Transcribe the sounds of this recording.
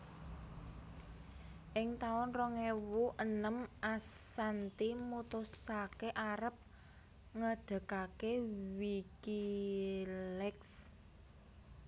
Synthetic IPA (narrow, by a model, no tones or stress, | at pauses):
ʔɪŋt̪aʊnrɔŋewuʔənəmʔasant̪imut̪ʊsakeʔaɾəp̚ | ŋəd̪̥a̤kakewiki | lɛks